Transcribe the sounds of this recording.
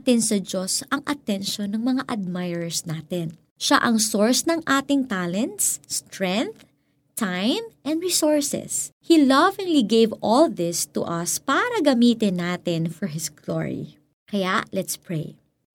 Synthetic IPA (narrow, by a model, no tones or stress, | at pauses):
t̪ɪnsɐd͡ʒo̞sɐŋʔɐt̪ɛnʃonɐŋmɐŋaʔɐd̪̚majɹɛɹsnaːt̪ɛn | ʃa̰ʔɐŋsoɹsnɐŋʔaːt̪ɪŋt̪aːlɛnt̪sːt̪ɹɛ̃nθ | t̪ajmʔɛnɹisoɹsɛ̰shilɐvɪŋliɡejvɔlðɪst̪ṵʔɐspaːɾɐɡɐmiːt̪ɪnːaːt̪ɪnfɔɹɦɪsɡ̥lo̰ɹḭ | kɐjaʔlɛt̪spɹḛj